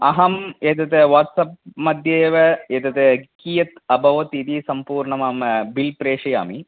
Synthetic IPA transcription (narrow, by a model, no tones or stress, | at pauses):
ɐɦɐmeːt̪ɐt̪eʋaːʈsɐp̚mɐd̪ʱjeːʋɐet̪ɐt̪ekiːjɐt̪ɐbʱɐʋɐt̪it̪isɐmpuːɾɳɐmaːmɐbilpɾeːʂɐja̰ːmi